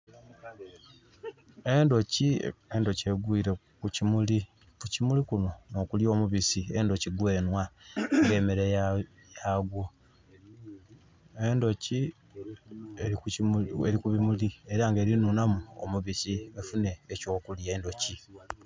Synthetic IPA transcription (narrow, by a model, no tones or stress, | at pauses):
e̞ndo̞ciendo̞ce̞ɡwiːɾe̞ | kucimuli | kucimulikuno̞no̞ːkuljo̞ːmuβisie̞ndo̞ciɡwe̞ːnwaŋɡe̞ːmeɾe | jaɡwo | endo̞ci | e | eɾikuβimulie̞ɾaŋɡe̞ɾinunamuo̰muβisiefune̞ːco̞ːkuljeːndo̞ci